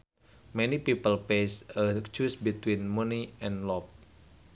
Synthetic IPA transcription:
mɛnipipəlpesət͡ʃusbit̪winmɔniɛ̃nlɔp̚

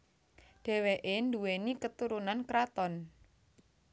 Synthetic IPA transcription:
ɖ̥ɛ̤weʔend̪uwenikət̪uɾunankɾat̪ɔn

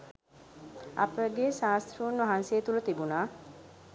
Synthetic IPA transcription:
ɐ̰pəɡeʃaːst̪ʰɾuunʋɐɦanseːt̪ulut̪ibunaː

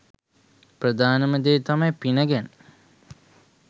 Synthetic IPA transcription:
prəd̪aːnəməd̪eːt̪amɐjpinəɡænə

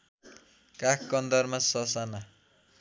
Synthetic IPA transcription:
kakkʌnd̪ʌrmasʌsana

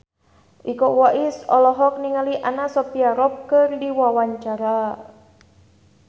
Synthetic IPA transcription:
ʔikɔwaʔisɔlɔɦɔk̚niŋaliʔanasɔpiaɾɔp̚kɨrdiwawaɲt͡ʃaɾa

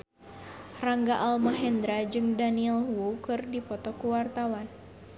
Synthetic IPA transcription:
raŋɡaʔalmaɦɛnd̪ɾad͡ʒɨŋdaniɛlwukɨrdipɔt̪ɔkuwart̪awan

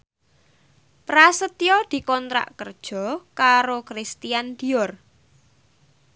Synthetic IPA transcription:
pɾasət̪ijɔd̪̥i̤kɔnt̪ɾa̰ʔkərd̥ʒ̥ɔ̤kaɾokɾist̪ijand̪̥i̤ɔr

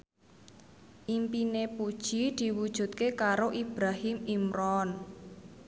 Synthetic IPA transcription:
ʔimpinepud̥ʒ̥id̪̥i̤wud̥ʒ̥ṳt̪̚kekaɾoʔib̥ɾahɪmimɾɔn

